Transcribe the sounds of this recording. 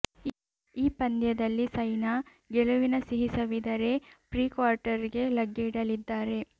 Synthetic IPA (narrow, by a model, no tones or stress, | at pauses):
iːpɐnd̪jɐd̪ɐlːisɐjna | ɡeɭuʋinɐsiɦisɐʋid̪ɐɾe̞pɾiːkʋaːɾʈɐɾiɡe̞lɐɡːiːɽɐlid̪ːaːɾe̞